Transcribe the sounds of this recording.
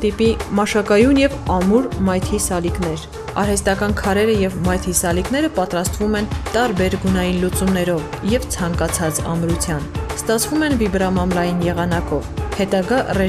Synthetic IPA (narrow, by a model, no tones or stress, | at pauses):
t̪ipimɑʃɑkɑjunjɛvɑmuɾmɑjt̪ʰisɑliknɛɾ | ɑɾhɛst̪ɑkɑnkʰɑɾɛɾəjɛvmɑjt̪ʰisɑliknɛɾəpɑt̪ɾɑst̪vumɛnt̪ɑɾbɛɾɡunɑjinlut͡sumnɛɾɔvjɛvt͡sʰɑŋkɑt͡sʰɑt͡sɑ̰mɾut͡sʰjɑnst̪ɑt͡sʰvumɛnvibɾɑmɑmlɑjinjɛʁɑn̪ɑkɔvhɛt̪ɑɡɑrɛ